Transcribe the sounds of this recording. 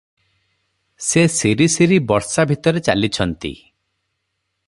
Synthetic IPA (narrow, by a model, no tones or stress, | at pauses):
sesiɾisiɾibɔɾsabʱit̪ɔɾet͡ʃa̰lit͡ʃʰɔnt̪ḭ